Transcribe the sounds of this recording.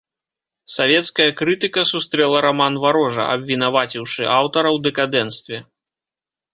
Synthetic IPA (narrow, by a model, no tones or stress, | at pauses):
savʲɛt̪skɐjɐkɾɨt̪ɨkɐsust̪ɾɛlˠɐɾamanvaɾɔʐɐ̰ɐ̰bʲvʲinavat͡sʲiwʂɨʔawt̪ɐɾɐwd̪ɛkad̪ɛnst̪vʲɛ